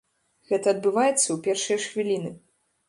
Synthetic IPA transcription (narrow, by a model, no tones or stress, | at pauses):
ɣɛt̪ɐɐd̪̚bɨvajɛt̪sːɐwpʲɛrʂɨjɐʂxvʲilʲinɨ